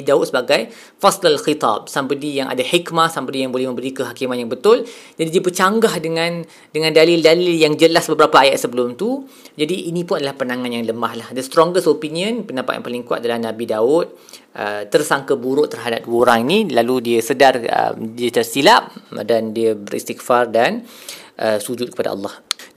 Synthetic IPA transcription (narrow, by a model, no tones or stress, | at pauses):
idaʊt̪səbaɡaj | faslalxit̪ɑ̰b̚sambədijaŋʔa̰dahikmasambədijaŋbolɛhmə̃mbəɾikəɦakimanjaŋbət̪ʊld͡ʒadidiəbət͡ʃaŋɡahdəŋãn | dəŋãndalildaliljaŋd͡ʒəlasbəbəɾapaːjat̪̚səbəlʊmt̪u | d͡ʒadiʔːnĩpʊnadalahpənãŋãnjaŋləmahlahdəst̪ɾɔŋɡəstopiniə̃npəndapat̪̚ja̰ŋpaliŋkuwa̰t̪̚dalahnãbidaʊt̪̚ | ʔət̪ərsaŋkabuɾʊʔt̪ərɦadap̚duwəoɾaŋinilaludiəsədarə̰mdiət̪ərsilap̚dandiəbəɾḭst̪ik̚fardanʔəsud͡ʒʊt̪̚kə̥pada̰ɑ̰lˠːɑh